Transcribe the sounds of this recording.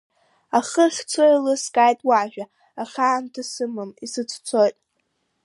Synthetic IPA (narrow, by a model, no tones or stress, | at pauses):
aχəχʲt͡sʷʰojlɨskʼajtʼwaʒᶣa | aχʲaːntʰasɨmɨmisɨt͡sʰt͡sʷʰojtʼ